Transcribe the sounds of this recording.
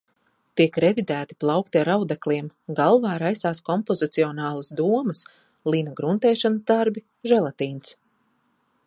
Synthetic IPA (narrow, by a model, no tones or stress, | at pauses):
t̪ikɾɛvid̪æːt̪i̥plˠawkt̪iaɾawd̪aklˠiɛmɡalˠvaːɾajsaːskɔmpɔzit̪siɔnaːlˠasd̪uɔmɐs | lˠiːnaɡɾunt̪ɛːʃanəsd̪aɾbi | ʒɛlˠat̪iːns